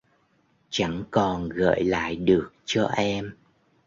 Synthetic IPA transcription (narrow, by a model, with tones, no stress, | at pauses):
t͡ɕa˧˥ŋkɔ˨˩nɣə̰ː˧˨jla̰ː˧˨jɗɨ˨˩ək̚t͡ɕɔ˧ʔɛ˧m